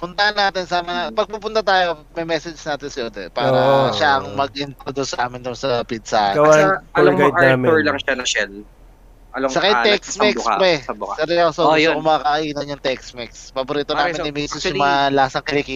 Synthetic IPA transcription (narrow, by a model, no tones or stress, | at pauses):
pʊnt̪ɐhɐnːaːt̪ɪnsaːmɐpɐɡ̚pupʊnt̪ɐt̪aːjomɐjmɛsɛd͡ʒnaːt̪ɪnsɐod̪ɛpaːɾɐʃaʔɐŋmɐɡ̚ʔɪnt̪ɾod̪usɐʔaːmɪnd̪ʊnsɐpid̪saɡɐwaloɡajd̪aːmoɹlɐŋʃanɐʃɛl | ʔɐlossɐkɐj̪ɛksmɪkaɛɐbkasɛɾɪasookʊmakɐʔiːnɐnjʊŋt̪ɛksmikspɐboɾiːt̪onaːmɪnɪmisɪsʊmɐlaːsɐŋkɪlikiː